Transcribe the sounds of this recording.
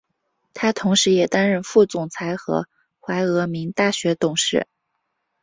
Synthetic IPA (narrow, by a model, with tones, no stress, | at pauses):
t̪ʰa˥t̪ʰʊ˧˥ŋʂɻ̩˧˥jɛ˨˩t̪a˥nɻə˥˧nfu˥˩t͡sʊ˨˩ŋt͡sʰa˧˥ɪxɤ̰˧˥ | xwa˧˥ɪɤ˧˥mi˧˥ŋt̪a˥˩ɕɥɛ˧˥t̪ʊ˨˩ŋʂɻ̩˥˩